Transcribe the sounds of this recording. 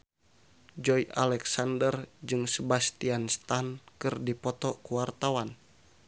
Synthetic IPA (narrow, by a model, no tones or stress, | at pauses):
d͡ʒɔjʔa̰lɛksandərd͡ʒɨŋsəbast̪ianst̪ankɨrdipɔt̪ɔkuwart̪awan